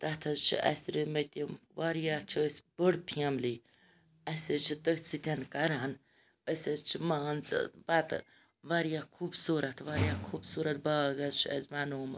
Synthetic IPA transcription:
t̪ɐt̪ʰɐzt͡ʃʰḭɐ̰sʲɾimɐt̪iʋaɾjat͡ʃʰiəsbəɽpʰiɐmliː | ɐsʲɐt͡ʃʰit̪əkt͡sit̪ʲɐnkɐɾaːn | əsʲɐt͡ʃʰimaːnt͡sbat̪ | ʋaɾjakʰuːbsuːɾɐt̪ʰʋaɾjakʰuːbsuːɾɐt̪̚baːɡɐt͡ʃʰiɐ̰zmaːnoːm

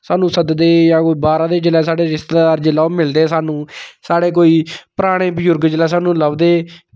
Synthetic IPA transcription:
saːnũːsəd̪d̪eːjãːkoːiːbaːɾãːd̪eːd͡ʒɪlɛːsaːɽeːɾɪst̪ːd̪aːɾd͡ʒɪlaːomɪld̪eːsaːnũːsaːɽeːk̬oːiːpəɾaːɽ̃eːbəd͡ʒʊɾɡd͡ʒɪlɛːsaːnũːləbd̪eː

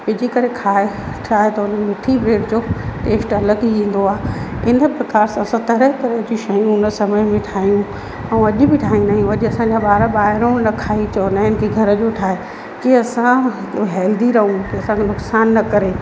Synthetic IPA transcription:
pɪd͡ʑikɐɾekʰaːeʈʰaːɦet̪ɐʊnənmɪʈʰibɾeːʈd͡ʑoʈeːsʈɐləɡĩːn̆d̪oaːɦɪnə̆pɾɐkaːɾsãsɐ̃t̪ɐɾəɦkɐɾəd͡ʑiʃɐjũʊnə̆sɐməmẽʈʰaːijũ | ɛ̃ũɐʄʊ̆bɪʈʰaːĩjũnaːijũɐʄɐsãɲd͡ʑaɓaːɾaɓaːɦɪɾõɽnɐkʰaːit͡ɕɐonaːɦɪnɪ̆kʰeɡʱɐɾəd͡ʑoːʈʰaːɦe | kiɐsãɦɛːld̪iɾɐɦũkiɐsãkʰenʊksaːnːɐkɐɾe

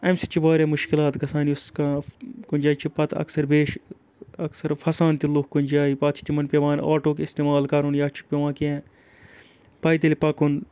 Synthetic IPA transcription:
ɐmsit͡ʃʰibaːɾemʊʃkɪlaːt̪ɡɐsaːniʊskakʊnʲd͡ʒaːit͡ʃʰipɐt̪ʰɐ̰ksɐɾbeːʃ | ɐksɐɾfʰɐsaːnt̪ilukkunʲd͡ʒaːipaːt̪t͡ʃʰi̥t̪imɐnpʲeʋãːna̰ːʈoːkist̪eːmaːlkaɾunjaːt͡ʃʰu̥k̚pʲeʋãːkiɛ̃ː | pɐːjt̪̬elipɐkun

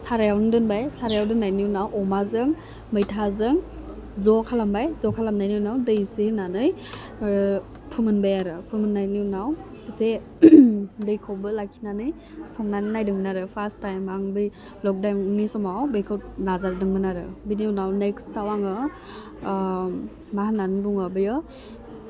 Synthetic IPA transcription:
saɾajawnɯdɯnbajsaɾajawdɯnːajniunawʔɔmazɯŋ | mɯjtʰazɯŋ | zɔkʰalambajzɔkʰalamnajniwnawdɯjsenanɯj | pʰɯmɯnbajaɾɯpʰɯmɯnːajninaw | se | dɯjkʰɔwbɯlakʰinanɯj | sɔŋnaninajdɯŋmɯnaɾɯpʰastajmaŋbɯj | lɔk̚dawnisɔmawbejkʰawt̚nazaɾdɯŋmɯnaɾɯbininawnekstawaŋɯ | mahananbuŋɔbɯjɔ

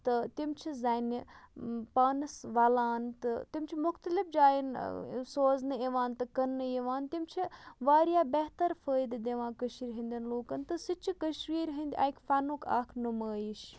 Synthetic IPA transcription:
t̪ɨt̪imt͡ʃʰizani | paːnɨsʋɐlaːnt̪ɨt̪imt͡ʃʰimʊxt̪ɐlifd͡ʒaːjinsoːznɨeʋaːnt̪ɨkɐnːɨeʋaːnt̪imt͡ʃʰiʋaːɾjaːbɛɦt̪ɐɾfəːjd̪d̪eʋãːkəʃiːɾɦɐnʲd̪ʲɐnloːkɐnt̪ɨsɨt͡ʃʰikəʃɾiːɾɦɐnd̪ʲia̰jkʲfɐnuka̰ːkʰnɨməːjiʃ

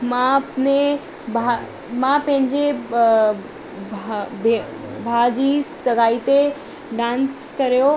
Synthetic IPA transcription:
mãpne | bʱa | mãpɐ̃ɦɪ̃ɲd͡ʑe | b | bʱaːd͡ʑisɐɡaːit̪e | ɖãːns | kɐɾijo

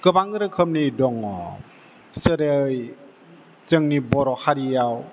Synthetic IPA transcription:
kɯbaŋɯɾɯkʰəmnidɔŋɔ | sɯɾej | t͡ʃɯŋnibɔɾɔhaɾijaw

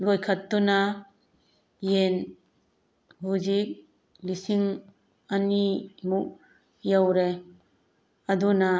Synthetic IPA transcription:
lɔjkʰat̪ːuna | jen | buzik̚ | lisiŋ | animuʔ̚ | jawɾe | ad̪una

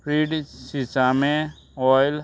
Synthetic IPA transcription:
pɾiːɖsisamẽ | ɔjl

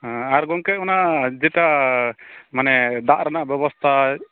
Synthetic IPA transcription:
ɦaɾɡɔŋkɛʔ̚ɔnaʔd͡ʒɛʈa | manɛd̪aʔɾanaʔbɛbɔst̪ʰa

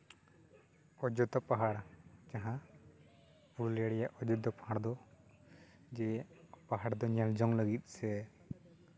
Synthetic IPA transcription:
ɔd͡ʒɔt̪ɔpaɦaɽkaɦã | puɽlɛaɽɛjaʔɔd͡ʒɔt̪̚d̪ɔpaɦaɽd̪ɔ | d͡ʒɛpaɦaɽd̪ɔɲald͡ʒɔŋləɡit̪̚ˀsɛ

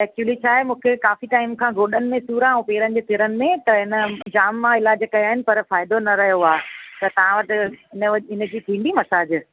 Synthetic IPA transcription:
ɛːk̚t͡ɕuəlit͡ɕʰaːɦemũːkʰekaːfiʈaːɪmkʰãːɡʱoːɗənɪ̆mẽsuːɾãũpeːɾənɪ̆d͡ʑeːt̪ʰɪɾənɪ̆mẽt̪ɐɦɪnə̆d͡ʑaːmːãɪlaːd͡ʑkɐjaːɦɪnɪ̆pɐɾfaːɪd̪onɐɾɐɦjoaːt̪ɐt̪ɐʋ̤ãʋɐʈɪ̆ɪnəɪnə̆d͡ʑiːt̪ʰĩːɳɖ̪imɐsaːd͡ʑ

